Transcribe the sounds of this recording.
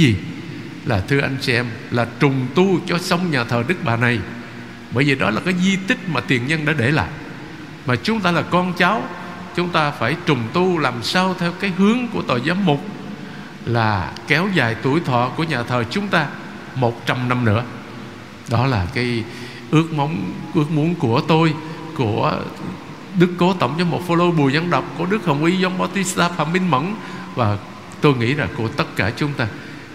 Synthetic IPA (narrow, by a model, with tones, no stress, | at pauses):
i˨˩ | laː˨˩t̪ʰɨ˧əʔa˧jŋ̟t͡ɕi˧ʔɛ˧m | laː˨˩t͡ɕʊ˨˩ŋ͡mt̪u˧t͡ɕɔ˧sə˧wŋ͡mɲaː˨˩t̪ʰəː˨˩ɗɨ˦˥k̚ɓaː˨˩na˨˩j | ɓəː˧˩jvi˨˩ɗɔ˨˦laː˨˩kaː˨˦jzi˧t̪ï˦˥k̚maː˨˩t̪i˨˩ənɲə˧nɗa̰ː˧˥ɗe˧˩la̰ː˧˨jʔ | maː˨˩t͡ɕʊ˨˦ŋ͡mt̪aː˧laː˨˩kɔ˧nt͡ɕa˨˦w | t͡ɕʊ˨˦ŋ͡mt̪aː˧faː˧˩jt͡ɕʊ˨˩ŋ͡mt̪u˧laː˨˩msaː˧wt̪ʰɛ˧wkaː˨˦jɦɨ˨˦əŋku˧˩ət̪o̰˧˨˩jzaː˨˦mmʊ˨˩k͡p̚ | laː˨˩kɛ˨˦wza̰ː˨˩˨jt̪ṵ˧˩jt̪ʰwɔ̰˧˨ku˧˩əɲaː˨˩t̪ʰəː˨˩t͡ɕʊ˨˦ŋ͡mt̪aː˧ | mo˨˩t̚t͡ɕa˧mna˧mnɨ̰˧˥ə | ɗɔ˨˦laː˨˩kaː˨˦j | ʔɨ˦˥ək̚ma˨˦wŋ͡mʔɨ˦˥ək̚mu˨˦ənku˧˩ət̪o˧j | ku˧˩ə | ɗɨ˦˥kːo˨˦t̪ə̰˧˩wŋ͡mt͡ɕɔ˧mo˨˩t̚fo˧lo˧ɓu˨˩əɲə˧nɗə˨˩wk͡p̚ku˧˩əɗɨ˦˥k̚hə˨˩wŋ͡mʔi˧zɔ˧ŋ͡mɓaː˧wt̪i˧˦˥st̪aː˧faː˧˩mɓï˧ŋmə̰˧˥n | vaː˨˩ | t̪o˧jŋḭ˧˥laː˨˩ku˧˩ət̪ə˦˥t̚kaː˧˩t͡ɕʊ˨˦ŋ͡mt̪aː˧